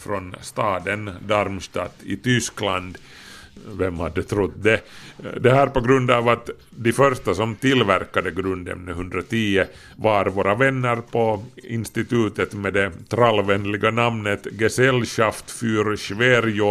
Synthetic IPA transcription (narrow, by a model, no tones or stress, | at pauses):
fɾɔnst̪ɑːd̪ənd̪aɾmst̪ɑːt̪ɪt̪ʏskland̪ | vɛmhad̪ːɛt̪ʰɾʊt̪ːd̪ɛd̪ɛɦæːɾpɔɡɾɵnd̪ɑːvat̪ | d̪ɛfœɾʂt̪asɔmt̪ɪlːvæɾkad̪əɡɾɵnd̪ɛ̰mnɦɵnd̪ɾat̪ʰiːə | vaɾvoːɾʔavɛnːəɾpʰɔɪ̰nst̪ɪt̪ʉːt̪ət̪mɛd̪ɛt̪ʰɾalːvɛnːlɪɡanamnət̪ɡɛsɛlɕaft̪fyːɾʃveɾjʊ